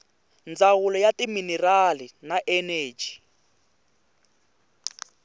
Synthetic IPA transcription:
nd͡zawulɔjatiminɛralinaʔɛneːd͡ʒi̥

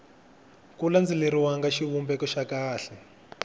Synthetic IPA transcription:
kuland͡ziliɾiwaŋɡaʃiβumbɛkɔʃakaːɬɛ

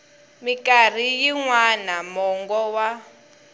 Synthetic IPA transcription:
mikar̤ijiŋwanamɔŋɡɔwa

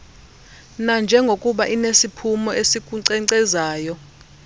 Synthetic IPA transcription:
nand͡ʒʱɛŋɡʱokʼuɓaʔinesipʰumɔesik̬ʼuǀɛǀɛzaːjɔ

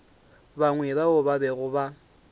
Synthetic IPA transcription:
baŋwɛbaʊbabɛɣʊba

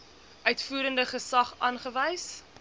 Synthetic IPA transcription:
ʔœɥtfuːɾəndəχəsɐχɑːnχəvɛjs

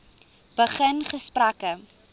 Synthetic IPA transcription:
b̥əχənχəsprakə

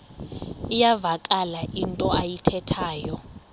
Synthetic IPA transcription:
ijavakʼalaʔintʼɔajitʰɛtʰaːjɔ

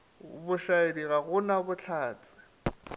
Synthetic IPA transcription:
bʊʃaediɣaɣʊnabʊt͡ɬʰaːt͡sʼɪ̥

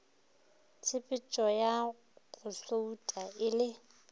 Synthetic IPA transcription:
t͡sʰɪpʼɪt͡ʃʼɔja | ɣʊɬoutʼaɪlɪ

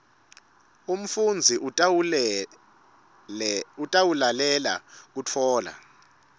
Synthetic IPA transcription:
um̩fund͡zʱi | utʼawulalɛla̰k̬utʰɔːla̰

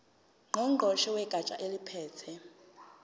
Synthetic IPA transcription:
ŋ͡ǃʱɔŋ͡ǃʱɔʃɛwɛɡ̥ʱat͡ʃʼa̰ʔelipʰɛːtʰɛ

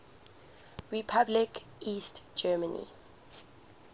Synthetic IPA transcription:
ɹipʰablik | iːstd͡ʒɛːmənḭ

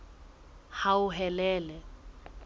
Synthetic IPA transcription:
haʊɦɛlɛːlɛ

